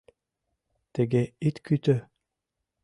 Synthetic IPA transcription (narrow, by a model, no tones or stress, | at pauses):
t̪ɛɡɛit̪kyt̪ø